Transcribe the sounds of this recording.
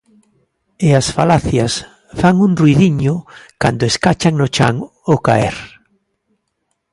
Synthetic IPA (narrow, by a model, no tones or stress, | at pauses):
easfalaθjas | faŋuŋrwiðiɲʊka̰nd̪ʊeskat͡ʃaŋnot͡ʃa̰ŋ | okaḛɾ